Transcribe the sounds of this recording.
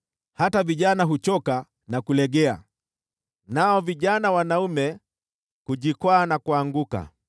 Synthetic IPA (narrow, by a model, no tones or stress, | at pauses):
hataviʄanaɦut͡ʃɔka | nakulɛɠɛa̰ | naɔviʄanawanaumɛ | kuʄikwaːnakuaŋɡuka̰